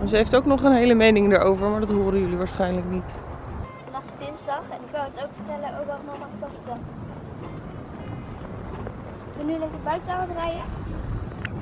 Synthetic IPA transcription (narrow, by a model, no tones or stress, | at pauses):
nzəɦejftowknɔχənɦejləmejnɪŋdaːɹʔowvəɹmaːɹdɑtɦoːɾənjɵliʋaːɹsχɛjnləknit | fənaχtsədɪnzdɑχɛnɪkoətowkfə̥tɛləʔowkɔlknɔχmaχstɔfətɛl | kənylɪŋdəbœɥtawədərɛjə